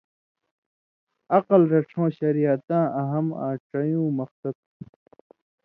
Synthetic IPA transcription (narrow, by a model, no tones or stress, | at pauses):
ɐqɐlɾɐʈ͡ʂʰõːɕɐɾijat̪ãːɐɦɐma̰ːʈ͡ʂɐjũːmɐxsɐt̪̚